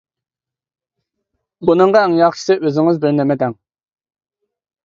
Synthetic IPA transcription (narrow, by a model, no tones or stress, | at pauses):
bunɨɴʁɑɛŋjɑχʃʰi̥sɨʔøzɪŋɪzbɪɾnɛmɛd̪ɛŋ